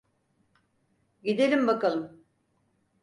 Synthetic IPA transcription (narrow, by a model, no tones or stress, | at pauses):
ɟid̪elʲimbakalˠɯm